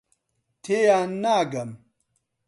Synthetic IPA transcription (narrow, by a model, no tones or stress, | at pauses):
t̪ʰejaːnːaːɡɐm